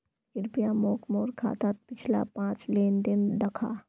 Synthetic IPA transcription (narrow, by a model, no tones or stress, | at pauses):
ɪɾpijamoːkmoːɾkʰa̰ːt̪at̪̚pɪt͡ʃʰla̰pãːt͡ʃleːnd̪ɪnd̪əkʰa